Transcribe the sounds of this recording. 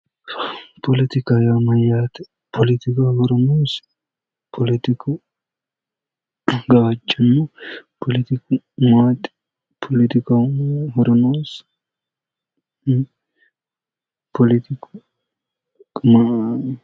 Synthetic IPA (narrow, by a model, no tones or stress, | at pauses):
pʰɔlɪt̪ɪkajamɐjaːt̪ɛ | pʰɔlɪt̪ɪkaɡɔɾɐnoːs | pʰɔlɪt̪ɪkʰʊ | ɡaɐt͡ʃːɐnːʊpʰɔlɪt̪ɪkʊ | maːt̪ʼ | pʰɔlɪt̪ɪkaɦɔɾɔnoːs | pʰɔlɪt̪ɪkʊ | ma